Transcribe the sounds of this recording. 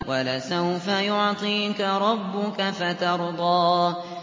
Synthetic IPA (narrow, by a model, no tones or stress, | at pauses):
walasawfajʊʕt̪ˤiːkaɾˤɑbːʊkafat̪ɑɾˤd̪ˤɑː